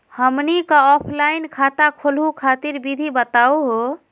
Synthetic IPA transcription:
həmnikəɔpʰlainkʰat̪akʰolɦukʰat̪iɾbid̪ʱibət̪auɦo

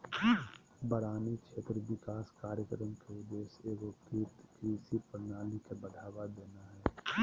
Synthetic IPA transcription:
bəɾaːnikt͡ʃʰeːt̪ɾəʋɪkaːskaːɾjəkɾəmkeʊd̪eːseːɡokit̪kisipəɾnaːlikebəd̪ʱaːʋad̪eːnaɦɛː

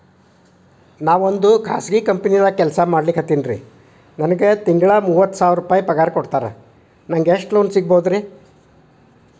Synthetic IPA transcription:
naːʋo̞nd̪ukʰa̰ːsɡikɐmpɐnid̪ɐkɛlsɐmaːɽlikɦɐt̪ːinɾḭ | nɐnɐɡe̞t̪iŋɡɐɭɐmuːʋɐt̪ːu̥saːʋɾupaːjipɐɡaːɾkoɽt̪aːɾḛ | nɐŋɡeʂʈloːnsiɡ̚bɐud̪ɾi

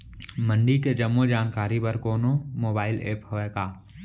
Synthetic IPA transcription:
mə̃ɳɖiked͡ʒɐmːod͡ʒaːnkaːɾipɐɾkoːnomoːbaːɪlḛːphoːeːkaː

